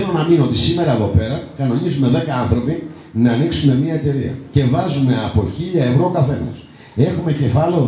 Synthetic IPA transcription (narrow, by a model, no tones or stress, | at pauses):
elonɐminoo̞t̪isime̞ɾɐeðo̞pe̞ɾɐkɐno̞nizume̞ðe̞kɐɐnθɾo̞pi | nɐːniksume̞mɲiɐe̞t̪e̞ɾiɐ̰ce̞vɐzume̞ɐpo̞çiʎɐe̞vɾokɐθe̞nɐ̰s | e̞xume̞ce̞fɐleo